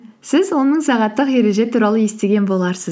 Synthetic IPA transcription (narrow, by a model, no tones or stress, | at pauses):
sɪzwo̞nəɴsɑʁɑt̪ːəqje̞ɾe̞ʒe̞t̪ʰuɾɑlˠəje̞st̪e̞ɡʲe̞nbo̞lˠɑɾsəz